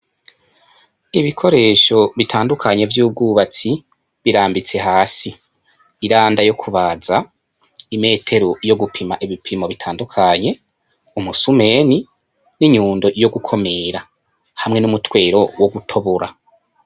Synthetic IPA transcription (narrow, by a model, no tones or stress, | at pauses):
iβikʰo̞ɾe̞ːʃo̞βitʰaːndukʰaɲe̞vjuːb̚ɡuːβat͡si | βiɾaːmbit͡se̞ɦaːsiː | ɾaːndajo̞kʰuβaza | ime̞ːtʰe̞ɾojo̞ɡupʰimaʔiβipʰimo̞βitʰaːndukʰaɲe̞ | umusume̞ːni | niɲuːndo̞jo̞ɡukʰo̞me̞ːɾa | hamŋe̞numutwe̞ːɾo̞woɡutʰo̞βoɾa